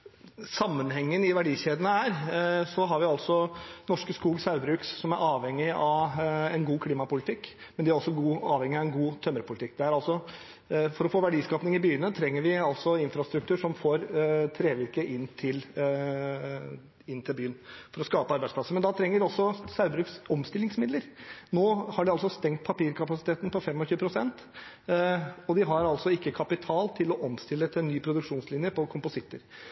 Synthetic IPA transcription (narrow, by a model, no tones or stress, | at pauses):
sɑmːənhɛŋːənɪʋæɖiːɕeːd̪ənəæɾsɔɦɑɾʋɪɑlsɔnɔʂkəskuːɡsɑʉbɾʉːkssɔmæɾʔɑːʋhɛŋːɪɑʋɛnɡuːkʰliːmɑpʊlɪt̪ʰɪkːmɛnd̪ɪæɾɔsːɔɡuːɑːʋhɛŋɪɑʋɛnɡuːt̪ʰœmːəɾpʰʊlt̪ʰɪk̚ːd̪ɛæɾɑlsɔ | fɔɾɔfoːʋæɖiːskɑːpnɪŋɪbyːənət̪ʰɾɛŋːəɾʋɪɑlt̪sɔɪnfɾɑst̪ɾʉkt̪ʉːʂɔmfoːɾt̪ʰɾeːʋɪɾkəʔɪnːt̪ʰɪl | ɪnːt̪ʰɪlbyːənfɔɾɔskɑːpəɑɾbæɪspʰlɑsːəmɛnd̪ɑt̪ʰɾɛŋːəɖɔsːɔsɑʉbɾʉksɔmst̪ɪlɪŋsmɪd̪ləɾnoːhɑɖɪɑlsɔst̪ɛŋt̪̚pʰɑpiːɾkʰɑpɑsɪt̪ʰeːt̪n̩pɔfɛmːɔçʉːəpʰɾʊsɛnt̪ | ɔd̪ɪɦɑɾɑlsɔɪkːəkʰɑpɪt̪ʰɑːlt̪ʰɪlɔʔɔmst̪ɪləɛt̪ɛnːyːpʰɾʊd̪ʉkʂuːnslɪnjəpʰɔkʰʊmpʊsɪt̪ːəɾ